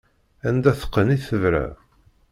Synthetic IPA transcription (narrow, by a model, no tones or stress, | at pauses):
ænd̪æθə̥qːəniθəvɾæ̰